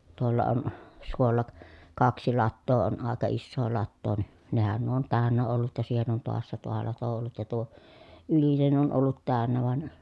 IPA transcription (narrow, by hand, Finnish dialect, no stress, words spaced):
tuolːɑ on suolːɑ k kɑksi lɑtːoː on ɑˑekɑ isːoː lɑtːoː ni nehæn nuo on tæˑønːæ olːut jɑ siːhen on toɑsːɑ tuo lɑto olːut jɑ tuo ylinen olːut tæˑønːæ ʋɑn